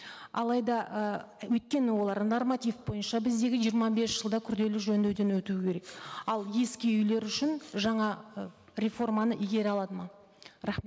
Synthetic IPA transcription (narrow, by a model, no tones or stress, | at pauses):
ɑ̰lˠɑjd̪ɑwɵt̪̚kʲe̞nɪwo̞lˠɑɾnormat̪ifbo̞jənʃɑbɪzd̪e̞ɡʲɪʒijəɾmɑbe̞sʒ̥əlˠd̪ɑkʲʰʏɾd̪e̞lɪʒɵnd̪eɾd̪e̞nwɵt̪ukʲʰe̞ɾe̞kɑlˠje̞skʲeʏjle̞ɾʏʃɪnʒɑɴɑ | ɾʲe̞fo̞rmɑnəʔiɡʲe̞ɾɪɑlˠɑd̪əmɑ | ɾɑχm